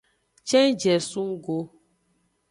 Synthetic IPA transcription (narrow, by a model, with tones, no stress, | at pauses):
t͡ʃɛ˦n˦d͡ʒɛ˨su˦ŋ˦ɡo˦